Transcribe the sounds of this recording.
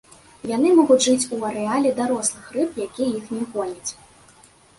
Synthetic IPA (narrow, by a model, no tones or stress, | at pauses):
jan̪ɨmɔɣud͡zʲʐɨt͡sʲuɐɾɛalʲɛd̪aɾɔslˠɨxrɨpjakʲijɛjixnʲɛɣɔlʲɐt͡sʲ